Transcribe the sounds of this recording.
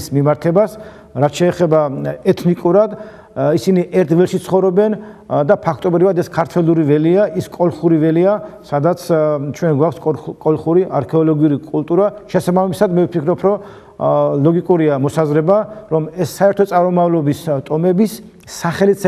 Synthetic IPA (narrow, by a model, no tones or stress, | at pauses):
smimaɾt̪ʰɛbas | ɾat̪ʃɛːχɛbaɛt̪ʰnikʼuɾad̪ | isiniʔɛɾt̪ʰvɛlˠʃit̪sʰχɔvɾɔbɛn | d̪apʰakʰt̪ʼɔbɾivad̪ɛskʰaɾt̪ʰwɛlˠuɾivɛliaiskʼɔlˠχuɾivɛliasad̪at̪sʰt͡ʃʰwɛnɡwakʰskʼkʼɔlˠχuɾiʔaɾkʰɛɔlɔɡiuɾikʼulˠt̪ʼuɾaʃɛsabamisad̪mɛvpʰikʰɾɔpʰɾɔ | lɔɡikʼuɾiamɔsazɾɛbaɾɔmɛsːaɛɾt̪ʰɔt̪sʼaɾɔmavlˠɔbist̪ʼɔmɛbisː | aχɛlit̪sʰ